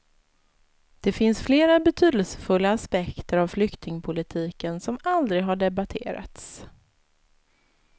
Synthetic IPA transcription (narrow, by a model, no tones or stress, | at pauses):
d̪̥ɛfɪnsfleːɾabɛt̪ʰyːd̪əlsə̥fɵlːaːspɛkt̪əɾavflʏkt̪ɪŋpʰʊlɪt̪ʰiːkənsɔmald̪ɾɪɡɦaɖɛbat̪ʰḛːɾa̰t̪s